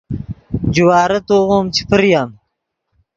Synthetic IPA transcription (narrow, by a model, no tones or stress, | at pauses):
d͡ʒiwɑːɾɐt̪oʁoːmt͡ʃʰi̥pəɾjam